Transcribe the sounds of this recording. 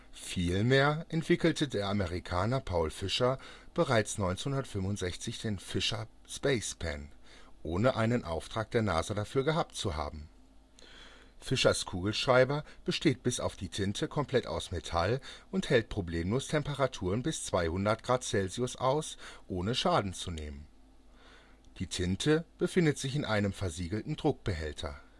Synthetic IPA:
fiːlmeːɐʔɛntv̥ɪkl̩tʰədeːɐʔaməʁ̞ikʰaːnɐpʰaʊlfɪʃɐb̥əʁaɪt͡snɔʏnt͡snhʊndɐtfʏmvʊntz̥ɛçt͡sɪçd̥eːnfɪʃɐ | spɛɪspʰɛ̰nʔoːnəʔaɪnənʔa̰ʊftʁ̥aːk̚d̥eːɐna̰ːzədafyːɐɡəɦaːp̚tt͡suha̰ːbm̩ | fɪʃɐskʰuːɡl̩ʃʁ̥aɪbɐb̥əʃteːt̚b̥ɪsa̰ʊfd̥iːtʰɪntʰəkʰɔmpʰl̥ɛta̰ʊsmetʰalʔʊnthɛlt̚pʁ̥obleːmloːstʰɛmpəʁatʰuːʁənbɪst͡sv̥aɪhʊndɐt̚ɡ̥ʁaːtt͡sɛlziʊsʔa̰ʊsʔoːnəʃaːdn̩t͡sunḛːmən | d̥iːtʰɪntʰəb̥əfɪndətz̥ɪçɪnʔaɪnəmfɛɐziːɡl̩tn̩dʁʊk̚b̥əɦɛltʰɐ̰

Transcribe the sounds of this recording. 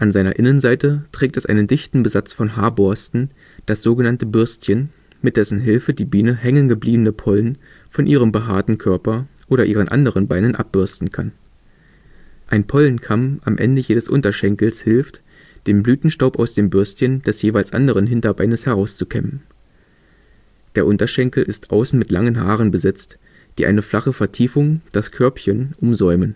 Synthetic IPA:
ʔanzaɪnɐ̰ʔɪnənzaɪtətʁ̥ɛːk̚tɛsʔa̰ɪnəndɪçtn̩bəzat͡sfɔnɦaːɐbɔɐstn̩ | d̥asz̥oːɡənantəbʏɐstçən | mɪt̚d̥ɛsn̩ɦɪlfədiːbiːnəhɛŋənɡəbliːbənəpʰɔlən | fɔnʔiːʁ̞əmbəɦa̰ːɐtn̩kʰœɐpɐʔoːɾɐʔiːʁ̞ənʔa̰ndəʁənbaɪnənʔa̰p̚b̥ʏɐstn̩kʰan | ʔaɪnpʰɔlnkʰamʔamʔɛ̰ndəjeːdəsʔʊ̰ntɐʃɛŋkl̩shɪlft | d̥eːmblyːtn̩ʃtaʊpaʊsd̥eːmbʏɐstçənd̥ɛsjeːvaɪlsʔa̰ndəʁ̞ənɦɪntɐbaɪnəshɛʁaʊst͡sukʰɛmən | d̥eːɐʔʊntɐʃɛŋkl̩ʔɪstʔa̰ʊsn̩mɪtlaŋənɦaːʁənbəzɛt͡st | d̥iːʔa̰ɪnəflaχəfɛɐtʰiːfʊŋd̥askʰœɐpçənʔʊmzɔʏmən

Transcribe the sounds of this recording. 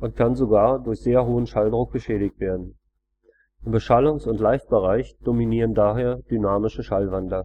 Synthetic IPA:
ʔʊntkʰanzoɡaːɐdʊɐçz̥eːɐɦoːənʃaldʁʊk̚ɡ̥əʃɛːɾɪçtv̥eːɐdn̩ | ʔɪmbəʃalʊŋsʊntlaɪçt̚b̥əʁaɪçd̥ominiːʁ̞əndaːɦeːɐd̥ynaːmɪʃəʃalvandlɐ

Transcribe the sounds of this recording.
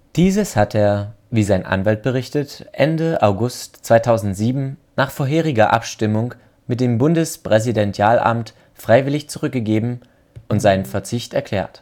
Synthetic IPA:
d̥iːzəshatʰeːɐ | viːzaɪnʔa̰nvalt̚b̥əʁ̞ɪçtətʔɛ̰ndəʔaʊɡʊstt͡sv̥aɪtʰaʊzn̩tz̥iːbm̩naːχfoːɐɦeːʁ̞ɪɡɐʔa̰pʃtɪmʊŋ | mɪt̚d̥eːmbʊndəspʁ̥ɛzidɛnt͡sjaːlʔa̰mt | fʁ̥aɪvɪlɪçt͡suʁʏk̚ɡ̥əɡeːbm̩ | ʊntz̥aɪnənfɛɐt͡sɪçtɛɐkʰl̥ɛ̰ːɐt

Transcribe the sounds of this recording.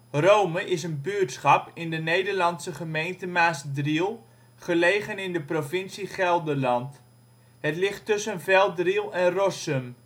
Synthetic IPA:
rowməʔɪsənbyːtsχɑpɪndənejdəɹlɑnsəχəmejntəmaːsdrilˠ | χəlejχənɪndəprovɪnsiχɛlˠdəɹlɑnt | ɦətlɪχtːɵsənvɛlˠdrilˠɛnrɔsəm

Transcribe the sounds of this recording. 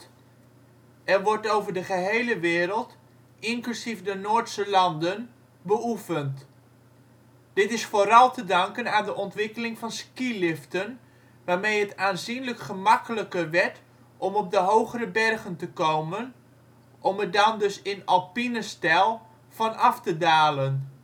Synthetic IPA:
ɛrʋɔɹtowvəɹdəχəɦejləʋɪːɾəlˠt | ʔɪŋklysifdənoːɹtsəlɑndən | bəʔufənt | d̥ɪtɪsfoːɾɑlˠtədɑŋkənaːndəʔɔntʋɪkəlɪŋfɑnskilɪftən | ʋaːɹmejɦətaːnzinləkχəmɑkələkəʋɛɹt | ʔɔmɔp̚dəɦowχəɾəbɛrχəntəkowmən | ʔɔmədɑndɵsɪnɑlˠpinəstɛlˠ | fɑnɑftədaːlən

